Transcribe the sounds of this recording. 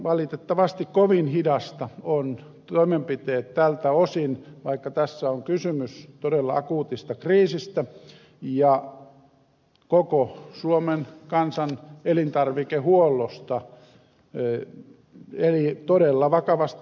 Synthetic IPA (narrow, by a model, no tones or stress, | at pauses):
ʋɑlit̪et̪ːɑʋɑst̪ikkoʋinhidɑst̪ɑon | t̪oimempit̪eːt̪tælt̪æosinʋɑikːɑt̪æsːæoŋkysymyst̪odelːɑɑkuːt̪ist̪ɑkriːsist̪æ | jɑ | kokosuomenkɑnsɑnelint̪ɑrʋikehuolːost̪ɑ | elit̪odelːɑʋɑkɑʋɑst̪